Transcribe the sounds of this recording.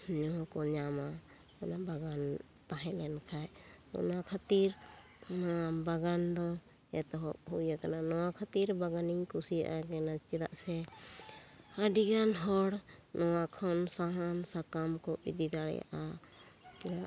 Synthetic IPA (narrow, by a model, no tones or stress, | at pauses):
ɲɔɦkɔɲama | ɔnabaɡan | t̪aɦɛ̃lɛnkʰajɔ̰nakʰat̪iɾ | nabaɡand̪ɔ | ɛt̪ɔɦɔp̚hujakananɔwakʰat̪iɾbaɡaniɲkusija̰ʔaɡɛnat͡ʃid̪a̰ʔsɛ | haɖiɡanɦɔɽnɔwakʰɔnsaɦamsakamkɔḭd̪iɡ̪aɽɛ̰ja̰ʔa | t̪iɾaʔ